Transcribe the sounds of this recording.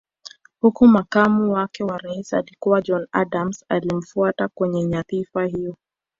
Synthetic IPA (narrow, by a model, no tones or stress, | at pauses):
hukumakamuwakɛwaɾaisalikuwad͡ʒɔnadamsalim̩fuatakwɛɲɛɲaθifaɦijɔ